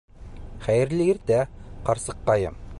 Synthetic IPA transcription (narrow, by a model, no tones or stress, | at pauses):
χæjɘ̆ɾlɘɘɾt̪æqɑɾsɤqːɑjɤ̰m